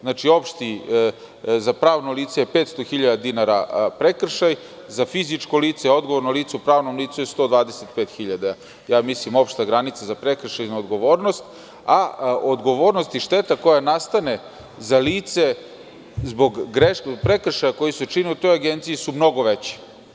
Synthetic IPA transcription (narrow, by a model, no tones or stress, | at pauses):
znaːt͡ʃio̞pʃt̪i | zapɾaːʋnoliːt̪sejepeːt̪st̪oxiʎad̪ad̪inaɾapɾekr̩ʃaj | zafizit͡ʃkoliːt̪seo̞d̪ɡoʋo̞ɾnoliːt̪sɛupɾaːʋnomliːt̪sujest̪o̞ːd̪ʋaːd̪eset̪peːt̪xiʎad̪a | jaːmislimo̞pʃt̪aɡɾanit̪sezapɾekr̩ʃajnuod̪ɡo̞ʋo̞ːɾnost̪ | aod̪ɡo̞ʋo̞ːɾnost̪iʃt̪e̞t̪ako̞janast̪ane̞ | zaliːt̪se̞ | zbo̞ɡːɾepɾekr̩ʃajako̞jisut͡ʃiniut̪o̞jaɡent̪sijisumno̞ɡo̞ʋe̞t͡ɕi̥